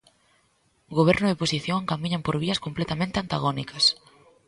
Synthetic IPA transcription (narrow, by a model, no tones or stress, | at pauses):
ɣoβ̞ɛɾnʊðeposiθjoŋŋkamĩɲampoɾβiɐskomplet̪amẽnt̪eant̪aɣonikɐs